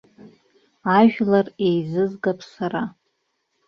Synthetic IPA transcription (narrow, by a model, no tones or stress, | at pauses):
aʒᶣlarejzɨzɡapʰsara